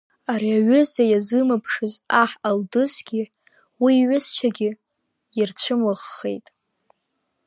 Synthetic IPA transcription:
aɾiaɥʏzajazɨmɨpʰʂɨzaħaldɨzɡʲi | wiːɥʷʊst͡ʃʷʰaɡʲɪ | jɪrt͡ɕʷʰɨmɨʁːejtʼ

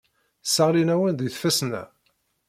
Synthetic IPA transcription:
səʁlinæwənðiθfæsnæ̰

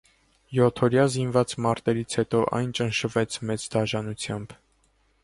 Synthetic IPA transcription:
jɔt̪ʰɔɾjɑzinvɑt͡smɑɾt̪ɛɾit͡sʰhɛt̪ɔʔɑ̰jnt͡ʃənʃəvɛt͡sʰmɛt͡sd̪ɑʒɑnut͡sʰjɑmb

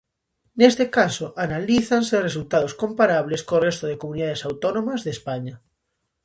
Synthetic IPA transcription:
nest̪ekasoʔanaliθanseres̬ult̪að̞oskõmpaɾaβ̞leskorest̪oðekomuniðaðesawt̪onõmazðespaɲa

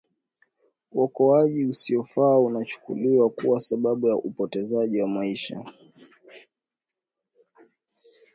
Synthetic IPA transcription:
uɔkɔaʄiusiɔfaːunat͡ʃu̥kṵliwakuwasaɓaɓujaʔupɔtɛzaʄiwamaiʃa̰

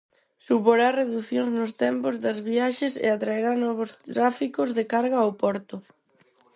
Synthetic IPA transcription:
supoɾareðuθjoŋznʊst̪ɛmpʊzðɐzβiaʃesḛat̪ɾaeɾanɔβ̞ʊst̪ɾafikʊzðekaɾɣaopɔɾt̪ʊ

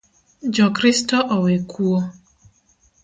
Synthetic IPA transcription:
d͡ʒɔkɾistɔʔɔwekuo

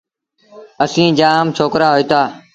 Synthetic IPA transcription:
əsĩːd͡ʒaːmt͡ʃʰoːkɾaːɦoiːt̪aː

